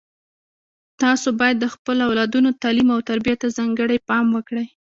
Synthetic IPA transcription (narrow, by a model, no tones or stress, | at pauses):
t̪ɑsobɑjad̪ːəxpəloawlɑd̪unot̪ɑlimawt̪aɾbijat̪ːazɑŋɡəɽajpɑmwəkɽəj